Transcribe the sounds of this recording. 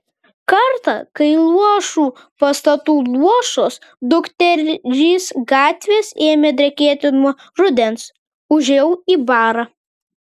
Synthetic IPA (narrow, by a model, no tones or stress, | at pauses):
kɐɾt̪ɑ̰kɐɪlˠuɔʃuː | pɐst̪ɐt̪uːlˠuɔʃoːsd̪ʊkt̪ʲɛɾʒʲiːsɡɑːt̪ʲʋʲeːseːmʲeːd̪ʲɾʲɛkʲeɛt̪ʲɪnuɔ | ɾʊd̪ʲɛns | ʊʒʲjɛʊiːbɑːɾɑ